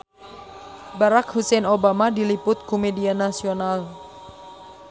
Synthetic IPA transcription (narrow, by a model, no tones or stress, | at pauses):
baɾakhusɛnobamadilipʊt̪̚komedianasional